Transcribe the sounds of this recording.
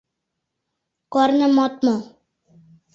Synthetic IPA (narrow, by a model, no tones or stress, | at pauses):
kɔɾnəmɔt̪̚mɔ